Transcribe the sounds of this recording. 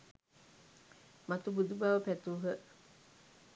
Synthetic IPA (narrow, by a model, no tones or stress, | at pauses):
mat̪ubud̪ubaʋəpæt̪uːɦə